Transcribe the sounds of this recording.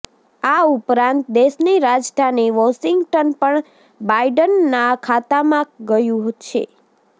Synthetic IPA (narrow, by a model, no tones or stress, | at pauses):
aupɾãnt̪̚d̪eʃniɾad͡ʒʈʰaneʋɔʃɪŋɡʈənpəɳ | baiɖənːakʰat̪amãɡəjũɦ̪ʃʰḛ